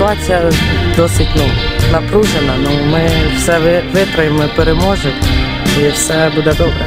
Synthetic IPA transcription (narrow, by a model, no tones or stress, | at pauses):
ʊat͡sʲijɐd̪ɔsʲɪtʲnunɐpɾuʒenɐnumɪwsɛʋʋɪt̪ɾɐjɪmɔpeɾemɔʒʊt | iwsɛbud̪ɛd̪ɔbɾɛ̰